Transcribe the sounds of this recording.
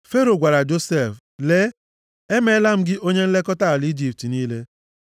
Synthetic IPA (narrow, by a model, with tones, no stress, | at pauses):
fe˦ɾo˨ɡʷa˨ɾa˨d͡ʒo˦se˦˨f | le˦ | e˦me˦la˦m̩˦ɡɪ˦ʔo˦ɲe˦n̩˦le˦kɔ˦ta˦˨li˦d͡ʒi˨p̚ti˨niː˦le˦